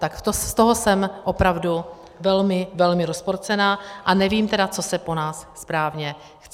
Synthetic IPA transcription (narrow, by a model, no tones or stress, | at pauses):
t̪akt̪ost̪o̞ɦosɛmʔo̞pɾavdu | vɛlmɪvɛlmɪɾospoɾt͡sɛnaːʔanɛviːmt̪ɛdat͡so̞sɛpo̞naːsːpɾaːvɲɛ | xt͡st͡sɛ